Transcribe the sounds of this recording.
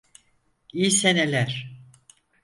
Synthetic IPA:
ijsenelʲæɾ̥

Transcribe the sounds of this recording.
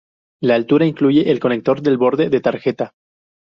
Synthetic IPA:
laːlt̪uɾaiŋkluʝe̞ʔelko̞ne̞k̚t̪o̞ɾðe̞lβo̞ɾðe̞ðe̞t̪aɾxe̞t̪a

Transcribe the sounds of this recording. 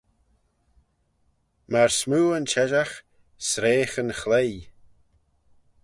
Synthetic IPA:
maɹsmuːənt͡ʃɛʒax | sɾeːxənxlej

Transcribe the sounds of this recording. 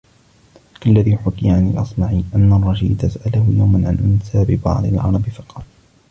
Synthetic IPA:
kalːaðiːħʊkɪjʕanilʔɑsˤmaʕiːʔanːarˤːɑʃḭːd̪asaʔalahʊjawmanʕanʔʊnsaːbɪbɑ̰ʕd̪ˤɪlʕɑ̰ɾˤɑbɪfɑ̥qɑːl

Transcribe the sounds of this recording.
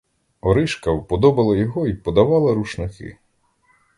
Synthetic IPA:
ɔɾɪʃkɐwpɔd̪ɔbɐlˠɐjɔɦɔipɔd̪ɐʋɑlˠɐɾuʃnɪkɪ̰

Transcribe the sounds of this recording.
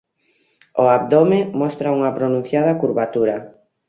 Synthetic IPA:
ʊap̚d̪omemɔst̪ɾɐuŋɐpɾonũn̟θjaðɐkuɾβat̪uɾɐ

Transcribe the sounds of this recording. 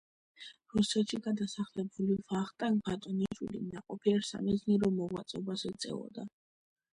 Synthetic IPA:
ɾusɛt̪ʃiɡad̪asaχlɛbulivaχt̪ʼaŋbat̪ʼɔnit͡ʃwḭlḭmnaqʼɔpʰiɛɾsa̰mizniɾɔmɔɡwa̰t̪sʼɔbazɛt̪sʼɛ̰ɔ̰d̪a

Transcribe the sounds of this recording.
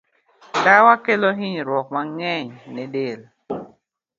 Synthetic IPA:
tawakelɔɦiɲɾwɔk̚maŋɛɲnɛdel

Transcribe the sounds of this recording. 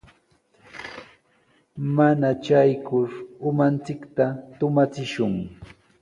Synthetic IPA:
manat͡ʃajkʊɾʊmant͡sɪkt̪at̪ʊmat͡sɪʃʊŋ

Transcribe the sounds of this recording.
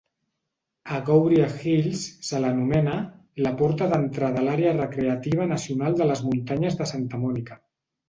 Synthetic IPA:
aɣowβɾiaxilsːələnumɛna | lapɔɾt̪aðənt̪ɾaðəlaɾeərəkɾeat̪iβ̞anasiunalˠd̪ələzmunt̪aɲəzðəsant̪əmɔnikḁ

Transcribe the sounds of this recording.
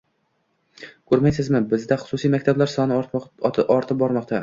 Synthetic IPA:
kʰɵɾmajsɪzmɪbɪzd̪aχʊ̥sʊsijmakʲt̪ʰablaɾsɒnɪ | ɒɾt̪ʰɪp̚bɒɾmɒqt̪ʰa

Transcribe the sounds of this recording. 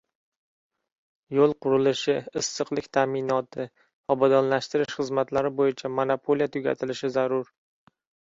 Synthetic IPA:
jolˠqʊɾɪlɪʃɪɪsːɨqlˠɪkʲt̪ʰamɪnɒt̪ʰɪ | ɒbɒd̪ɒnlaʃt̪ɪɾɪʃχɨzmat̪laɾɪbojɪt͡ʃʰamonapʰolijat̪ʰʊɡʲa̰t̪ʰɪlɪʃɪzaɾʊɾ

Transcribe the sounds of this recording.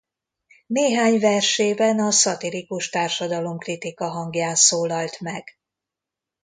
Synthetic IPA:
neːɦaːɲvɛrʃeːbɛnɒsɒt̪ilikuʃt̪aːrʃɒd̪ɒlo̞mkrit̪ikɒɦɒŋɡjaːnsoːlɒlt̪mɛɡ̥

